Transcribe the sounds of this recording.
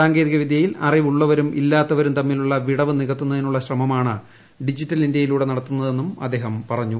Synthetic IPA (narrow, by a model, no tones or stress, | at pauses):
saːŋɡe̞ːðiɣɐʋid̪ʱjɐjilɐ̰riʋuɭːɐʋɐɾumʔilːaːt̪ːɐʋɐɾumt̪ɐmːiluɭːɐʋiɽɐʋɨniɣɐt̪ːunːɐðinuɭːɐɕrɐmɐmaːɳɨ | ɖid͡ʑitːɐlindjɐjiluːɽe̞nɐɽɐt̪ːunːɐðe̞nːumɐd̪ːe̞ːɦɐmpɐrɐɲːu